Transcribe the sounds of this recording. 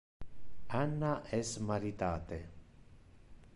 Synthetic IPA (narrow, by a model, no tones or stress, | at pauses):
anːaʔɛsmaɾit̪aːt̪e